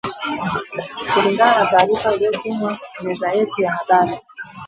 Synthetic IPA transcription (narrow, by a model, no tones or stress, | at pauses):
kuliŋɡananataːɾifailɔkumwanɛzaɛtijaɦaɗaɾi